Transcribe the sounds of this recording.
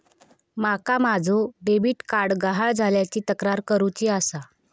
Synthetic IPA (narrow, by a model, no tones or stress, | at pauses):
makamad͡zʱoɖebiːʈkaɾɽɡaɦaɭd͡zʱaljat͡ɕiːt̪əkɾaɾkəɾut͡ɕiːasa